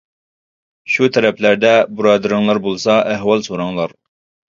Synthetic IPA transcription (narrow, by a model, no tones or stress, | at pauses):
ʃut̪ʰæɾæplæɾd̪æbʊɾɑːd̪ɨɾɨŋlˠɑɾbolˠsɑʔæɦwɑlˠsoɾɑŋlˠɑɾ